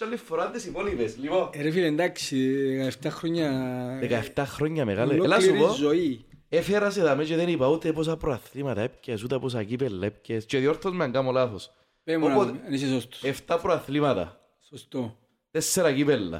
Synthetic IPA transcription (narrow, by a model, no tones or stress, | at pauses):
t͡ʃalːifːoɾand̪esipolipesliponeɾefilend̪aksiðekaeft̪axɾoɲːaðekaeft̪axɾoɲːɐmeɣalelasupozoiefeɾas̬eðamet͡ʃeðenipaut̪epos̬apɾoaθlimɐt̪ɐep̚cesut̪ɐpos̬acipelːaepcest͡ʃeðioɾθozmeaŋɡamolaθos | peopot̪nis̬esost̪o̥ɛft̪apɾɔaθlimɐt̪ɐ̰ | sost̪o | t̪ɛsːeɾakipelːɐ̰